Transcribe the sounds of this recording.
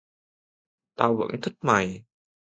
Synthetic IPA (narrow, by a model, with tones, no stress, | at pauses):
t̪aː˧wvə̰˧˥nt̪ʰi˦˥t̚ma˨˩j